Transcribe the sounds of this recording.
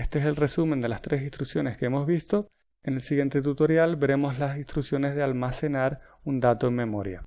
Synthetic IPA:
est̪eese̞lre̞sumẽnd̪e̞last̪ɾe̞s̬ĩnst̪ɾuksjo̞ne̞skeemo̞zβist̪o̞ | ene̞lsiɣje̞nt̪e̞t̪ut̪o̞ɾjalbe̞ɾe̞mo̞zlasist̪ɾuksjo̞ne̞zðealmase̞naɾ | und̪at̪oeŋmːẽ̞mo̞ɾja̰

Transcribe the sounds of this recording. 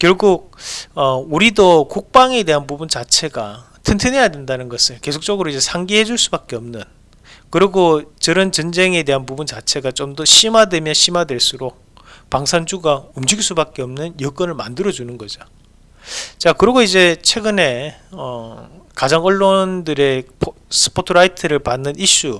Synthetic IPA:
kjʌɭɡuk̚ʌuɾidokok̚p͈aŋe̞de̞ɦanpubunt͡ɕat͡ɕʰe̞ɡa | tʰɯntʰɯnɦe̞jadwendanɯnɡʌsʰɯɭke̞sʰok̚t͡ɕ͈ʌɡɯɾoid͡ʑe̞sʰaŋɡiɦe̞d͡ʑuɭs͈ubak͈eʌmnɯn | kɯɾiɡot͡ɕʌɾɯnt͡ɕʌnd͡ʑe̞ŋe̞de̞ɦanpubunt͡ɕat͡ɕʰe̞ɡat͡ɕomdʌɕʰimadwe̞mjʌnɕʰimadwe̞ɭs͈uɾok̚ | paŋsʰand͡ʑuɡaɯmd͡ʑiɡs͈ubak͈e̞ʌmnɯnjʌk͈ʌnɯɭmandɯɾʌd͡ʑunɯnɡʌd͡ʑo | t͡ɕakɯɾiɡoid͡ʑe̞t͡ɕʰweɡɯne̞ʌkad͡ʑaŋʌɭːondɯɾe̞pʰsʰɯ̥pʰotʰɯɾaitʰɯɾɯɭpanːɯniɕ͈u

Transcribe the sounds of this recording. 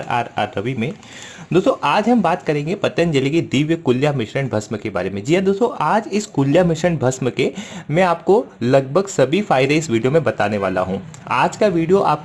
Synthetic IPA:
ɾa̰ːɾa̰ːɾɐʋimẽ | d̪oːst̪õʔaːd͡ʒɦɐmbaːt̪kɐɾẽːŋɡepɐt̪ənd͡ʒɐlikid̪iːʋjəkʊljamɪʃəɳbʱɐsməkeba̰ːɾemẽd͡ʒiːad̪oːst̪õʔaːd͡ʒɪskʊljamɪʃəɳbʱɐsməkemɛ̃aːp̚kolɐɡ̚bʱəɡsɐbʱifʰaːɪd̪eɪsʋiːɖijomẽbɐt̪aːneʋaːla̰ɦũː | aːd͡ʒkaʋiːɖijoʔa̰ːp̚

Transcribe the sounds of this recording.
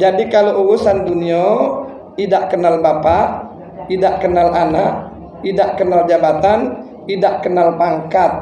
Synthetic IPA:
d͡ʒadikaloʔuɾusanduniɔ | idaʔkənalbapaʔ | idaʔkənalanaʔ | idaʔkənald͡ʒabat̪an | idaʔkənalpaŋkat̪̚

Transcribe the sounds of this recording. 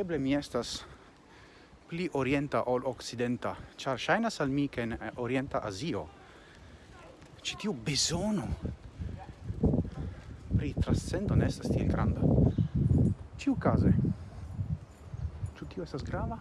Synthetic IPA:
eble̞mie̞stas | pliʔo̞ɾie̞nt̪aʔolokt͡sid̪e̞nt̪at͡ʃaɾʃajnasalmikeːnoɾie̞nt̪aʔazio̞̰ | t͡ʃi̥t̪iubezono | pɾit̪ɾanst͡se̞nd̪o̞neest̪ast̪ielɡɾa̰nd̪a | t͡ʃiukaze | t͡ʃut̪io̞estasɡɾava

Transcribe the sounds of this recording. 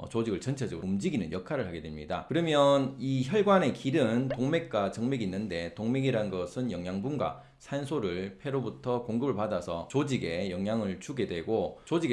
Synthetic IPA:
ʌt͡ɕod͡ʑiɡɯɭt͡ɕʌnt͡ɕʰed͡ʑʌɡɯumd͡ʑiɡinɯnjʌkʰaɾɯɭhaɡe̞dwemɲida̰kɯɾʌmjʌniçjʌɭɡwane̞kiɾɯntoŋme̞k̚k͈wat͡ɕʌŋmeɡinːɯnde̞toŋmeɡiɾanɡʌsʰɯnjʌŋjaŋbunɡwa̰ | sʰansʰoɾɯɭpʰe̞ɾobutʰʌkoŋɡɯbɯɭpadasʰʌ̰t͡ɕod͡ʑiɡe̞jʌŋjaŋɯɭt͡ɕuɡe̞dwe̞ɡot͡ɕod͡ʑiɡe

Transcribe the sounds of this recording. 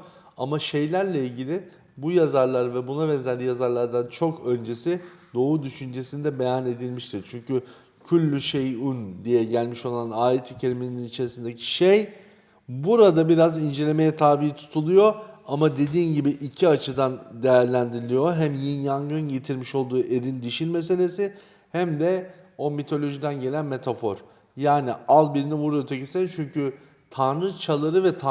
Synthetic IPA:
a̰maʃe̞jlʲæɾlʲɛilʲɟilʲɪ | bujazaɾlˠaɾvɛbunaβɛnzæd̪ʲijazaɾlˠaɾd̪ant͡ʃʰo̞kø̞nd͡ʒe̞sid̪o̞ːud̪yʃynd͡ʒe̞sinid̪ɛbe̞jane̞d̪ilʲmiʃt̪ʰiɾt͡ʃʰyɲcy | cʰylʲːyʃejund̪ijɛɟælʲmiʃo̞lˠanaːjet̪ʰicʰeɾiminininit͡ʃʰe̞ɾisind̪ecʰi̥ʃej | buɾad̪abiɾazind͡ʒe̞lʲe̞me̞jɛt̪ʰaːbijit̪ʰu̥t̪ʰulˠujo̞amad̪e̞d̪iːnɟibiʔicʰiat͡ʃʰɯd̪and̪e̞jæɾlʲænd̪iɾilʲijo̞ɦæmjinjaŋɡɯnɟet̪ʰiɾmiʃo̞lˠd̪uːʔe̞ɾilʲd̪iʃilʲmes̬e̞lʲe̞si | hæmd̪ɛo̞mit̪ʰo̞lʲo̞ʒid̪ænɟe̞lʲænme̞t̪ʰafo̞ɾ̥ | jaːnialˠbiɾinɛvuɾjot̪ʰecisɛnt͡ʃʰyɲcy | t̪ʰanɾɯt͡ʃʰalˠaɾɯvɛt̪ʰa

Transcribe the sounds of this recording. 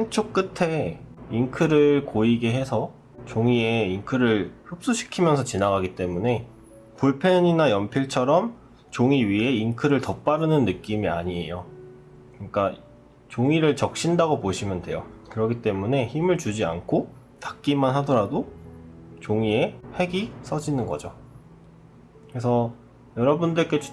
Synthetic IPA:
sʰint͡ɕʰok̚k͈ɯtʰe̞inkʰɯɾɯɭkoiɡe̞ɦe̞sʰʌ | t͡ɕoŋie̞inkʰɯɾɯɭçop̚s͈uɕʰi̥kʰimjʌnsʰʌt͡ɕinaɣaɡit͈e̞mune̞ | puɭpʰeɲinajʌmpʰiɭt͡ɕʰʌɾʌm | t͡ɕoŋiɥiɦe̞inkʰɯɾɯɭtʌp͈aɾɯnɯnːɯk͈imia̰ɲie̞jo | kɯɲik͈a | t͡ɕoŋiɾɯɭt͡ɕʌk̚ɕ͈indaɡopoɕʰimjʌndwe̞jokɯɾʌɡʰit͈e̞mune̞çimɯɭt͡ɕud͡ʑiankʰo | tak̚k͈imanɦadʌɾado | t͡ɕoŋie̞he̞ɡis͈ʰʌd͡ʑinɯnɡʌ̰d͡ʑo | kɾe̞s̬ʰʌ | jʌɾʌbundɯɭk͈e̞t͡ɕ

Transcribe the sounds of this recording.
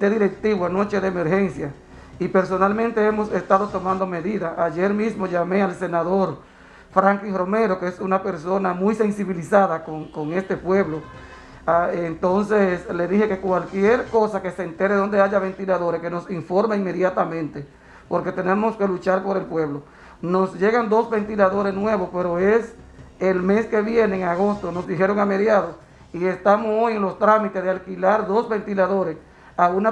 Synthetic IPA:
t̪eðiɾe̞k̚t̪iβwano̞t͡ʃe̞ðeːmeɾxe̞nsja | ipe̞ɾso̞nalmẽnt̪eemo̞sest̪aðot̪o̞mãnd̪o̞me̞ðiðaaʝeɾmismo̞ʝame̞alse̞naðo̞ɾ | fɾaŋkiŋro̞me̞ɾo̞keesunape̞ɾso̞namujse̞nsiβilisaðakoŋkoŋe̞st̪e̞pwe̞βlo | aent̪o̞nsesle̞ðihe̞ke̞kwalkje̞ɾko̞sakesent̪e̞ɾeðo̞nd̪e̞aʝaβe̞nt̪ilaðoɾeske̞no̞siɱfo̞ɾmaiŋme̞ðjat̪amẽnt̪e̞ | po̞ɾke̞t̪e̞nemoske̞lut͡ʃaɾpo̞ɾe̞lpwe̞βlo̞ | no̞sʝe̞ɣand̪o̞sβe̞nt̪ilaðo̞ɾesnwe̞βo̞spe̞ɾoes | elme̞ske̞βje̞neːŋaɣo̞st̪o̞no̞szd̪iɦeɾo̞ŋame̞ðjaðos | ie̞st̪amoso̞jeŋlo̞st̪ɾamit̪ezðealkilaɾðosβe̞nt̪ilaðo̞ɾes | auna

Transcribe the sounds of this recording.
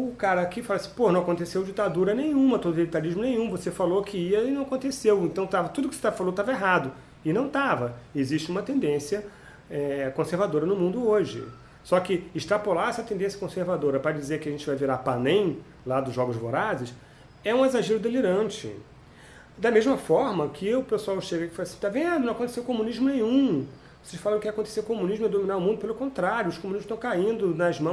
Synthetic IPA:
ʊkaɾɐkɪfalasĩponɐ̃w̃akõnt̪esewd͡ʒit̪ad̪uɾɐnẽj̃ũmɐt̪od̪ʊvelit̪aliʒmʊnẽj̃ũvosefalokɪiɐinɐ̃w̃akõt̪esewẽt̪ɐ̃w̃t̪avɐt̪ud̪ʊkɪset̪avɐfalot̪avɐeɦad̪ʊ | ɪnɐ̃w̃t̪avɐeziʃt͡ʃɪũmɐt̪ẽnd̪ẽsiɐ | ɛkõseɾvad̪oɾɐnʊmũnd̪ʊoʒɪ̰ | sɔkɪɪʃt̪ɾapolaɾɛsɐt̪ẽnd̪ẽsjɐ̥kõseɾvad̪oɾɐpɾɐd͡ʒizeɾkɪaʒẽnt͡ʃɪvajviɾapanẽj̃ | lad̪ʊʒɔɡʊzvoɾazɪs | ɛũezaʒeɾʊd̪eliɾɐ̃t͡ʃɪ̰ | d̪ɐmeʒmɐfɔɾmɐkʰɪʊpesuawʃeɡɐkɪ̥falɐsĩt̪avẽd̪nɐ̃w̃ɐkõt̪eseʊkomũniʒmʊnẽj̃ũ | oseʃfalaɾ̃kaɐkõt̪e̥seɾkomũniʒmʊɛd̪ominaɾʊmũnd̪ʊpelʊkõnt̪ɾaɾjʊʊʃkomuniʒmʊʃt̪ɐ̃w̃kaĩnd̪ʊnɐzmɐ̃w̃

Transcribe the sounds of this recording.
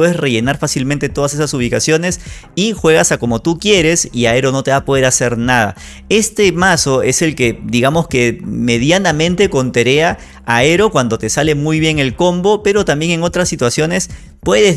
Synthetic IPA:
eðesre̞ʝe̞naɾfasilmẽnt̪e̞t̪o̞ð̞as̬e̞sasuβ̞ikasjo̞ne̞sixwe̞ɣ̞asako̞mo̞t̪ukje̞ɾe̞siae̞ɾo̞no̞t̪e̞βapo̞ðe̞ɾase̞ɾnaða̰ | e̞st̪e̞maso̞e̞se̞lke̞d̪iɣamo̞ske̞me̞ðjanamẽ̞nt̪e̞ko̞nt̪e̞ɾe̞aː | e̞ɾo̞kwand̪o̞t̪e̞sale̞mujβje̞ŋe̞lko̞mbo̞pe̞ɾo̞t̪ambje̞ŋe̞ŋo̞t̪ɾasːit̪wasjo̞ne̞s | pwe̞ðe

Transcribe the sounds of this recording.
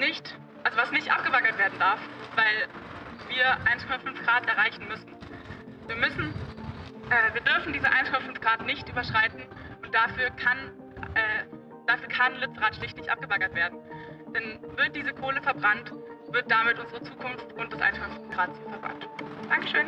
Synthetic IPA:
nɪçt | ʔalzovasnɪçtʔap̚ɡ̥əbaɡɐtv̥eːɐdn̩daɐfv̥aɪlviːɐʔaɪnskʰɔmafʏnfɡ̥ʁaːtʔɛɐʁaɪçn̩mʏsn̩ | viːɐmʏsn̩ | ʔɛːviːɐdʏɐfn̩diːzəʔa̰ɪnskʰɔmafnfɡ̥ʁaːtnɪçtʔyːbɐʃʁ̥aɪtn̩ | ʔʊnt̚d̥afyːɐkʰan | ʔɛː | d̥aːfyːɐkʰanlɪt͡sʁaːtʃlɪçtlɪçtʔa̰p̚ɡ̥əbaɡɐtv̥eːɐdn̩d̥anvɪɐt̚d̥iːzəkʰoːləfɛɐbʁantv̥ɪɐt̚d̥aːmɪtʔʊnzəʁət͡suːkʰʊnftʊnt̚d̥asʔa̰ɪnskʰɔmafʏnfɡ̥ʁaːtt͡sufɛɐbʁa̰ntd̥aŋkə̥ʃøːn

